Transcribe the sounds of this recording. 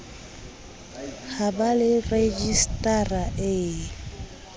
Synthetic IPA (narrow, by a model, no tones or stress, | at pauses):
χabalɪred͡ʒistʼaraʔɪ